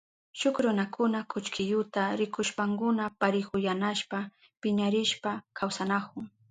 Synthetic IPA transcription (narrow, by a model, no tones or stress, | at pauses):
ʃʊkɾʊnakʰʊnakʰʊt͡ʃkʰɪjʊt̪aɾɪkʊʃpaŋkʊnapaɾɪkʊjanaʃpa | pɪɲaɾɪʃpakʰawsanakʊŋ